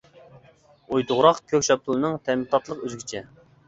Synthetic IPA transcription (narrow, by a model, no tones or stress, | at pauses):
ojt̪ʰʊʁɾɑqkʲʰøkʲʃɑp̚t̪ʰɨlˠɨnɨŋt̪ʰɛmɪt̪ʰɑt̪lˠəqøzɡʲit͡ʃʰɛ